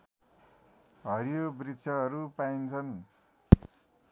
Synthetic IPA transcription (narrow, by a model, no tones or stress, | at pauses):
ɦʌɾjobrit͡sʰjʌɦʌɾupaint͡sʰʌn